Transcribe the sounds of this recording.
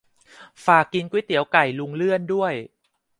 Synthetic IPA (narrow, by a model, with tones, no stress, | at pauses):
faː˨˩kːi˧nkwi˦˥t̪i˩˦əwka˨˩jlu˧ŋlɯ˥˩əndu˥˩əj